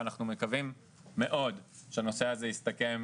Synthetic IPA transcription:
naχnume̞kavimː | e̞ʔo̞d | ʃeano̞seazejist̪ake̞m

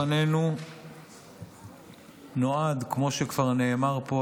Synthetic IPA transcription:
anenu | no̞ad̪kmo̞ʃekv̥aʁne̞ːmaʁpo

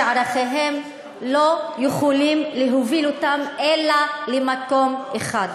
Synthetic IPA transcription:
aʁaχeɦe̞m | lo̞juχolimleɦovilotamʔelalemako̞mʔeχad

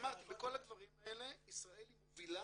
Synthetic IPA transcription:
maʁt̪ibeko̞lad̪vaʁimae̞le̞isʁae̞limvila

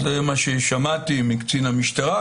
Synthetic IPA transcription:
zemaʃeʃamat̪imikt͡sinamiʃt̪aʁa

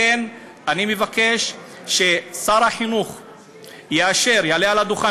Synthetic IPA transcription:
en | animevake̞ʃ | ʃe̞saʁhaħinuχ | jeaʃe̞ʁjalealad̪uχa

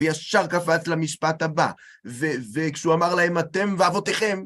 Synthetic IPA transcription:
jaʃaʁkafat͡slamiʃpat̪haba̰ | vevekʃuamaʁlahe̞mat̪e̞mveavo̞t̪eχe̞m

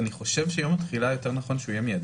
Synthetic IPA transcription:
niχo̞ʃevʃejomat̪χilajo̞te̞ʁnaχo̞nʃeujemijad

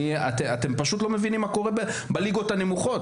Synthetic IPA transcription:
at̪eat̪empaʃut̪lo̞mevinimːako̞ʁebe | baliɡo̞t̪anemuχo̞t

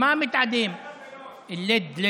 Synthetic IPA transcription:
mamɪt̪ʕad̪im | ɪlːed̪le

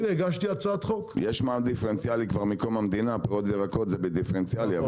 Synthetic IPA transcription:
neɡaʃt̪iat͡sat̪χokjeʃmald̪ifeʁent͡sialikvaʁmiko̞mamd̪inapeʁot̪veʁakot̪zebed̪ifeʁent͡sialia

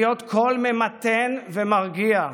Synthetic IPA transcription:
jot̪kʰolmemat̪envemaʁɡia

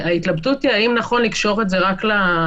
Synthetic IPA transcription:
ait̪labdutiaimnaχo̞nlikʃo̞ʁe̞tze̞ʁakla

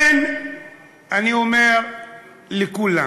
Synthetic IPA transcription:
ɛn | aniumɛɾ | likula

